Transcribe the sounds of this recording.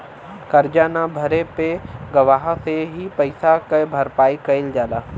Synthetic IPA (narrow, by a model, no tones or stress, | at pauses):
kɐɾd͡ʒaːnãbʱɐɾepeɡɐʋaːɦseɦipɐɪsakɐbʱɐɾpaːikɐɪld͡ʒaːlaː